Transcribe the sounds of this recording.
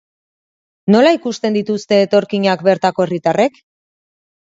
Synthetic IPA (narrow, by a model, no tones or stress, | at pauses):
no̞laikust̪e̞nd̪it̪ust̪e̞ːt̪o̞ɾkiɲakbe̞ɾt̪ako̞erit̪are̞k